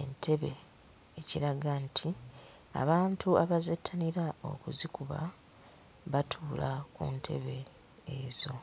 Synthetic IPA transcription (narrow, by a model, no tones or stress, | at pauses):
e̞ntʰe̞βe̞̰ | eciɾaɡantʰi | a̰βaːntʰuaβazetʰːaniɾao̰kuzikuβa̰ | βatʰuːlakṵntʰe̞̰βe̞ː | zo̞